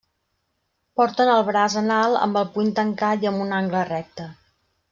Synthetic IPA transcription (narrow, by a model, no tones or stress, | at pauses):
pɔɾt̪ənəlˠβɾazənalˠə̰mbəlˠpunt̪əŋkat̪iəmbunaŋɡlərɛk̚t̪ə